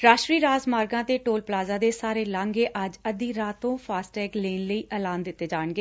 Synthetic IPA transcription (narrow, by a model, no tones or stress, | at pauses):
ɾaːʃɾiːɾaːzmaːɾɡãːt̪eːʈoːlplaːzaːd̪eːsaːɾeːlãːŋɡeːʔəd͡ʒəd̪iːɾaːt̪õːpʰaːsʈɛːkleːnləiːʔɛːlaːnd̪ɪt̪ːeːd͡ʒaːɳɡeː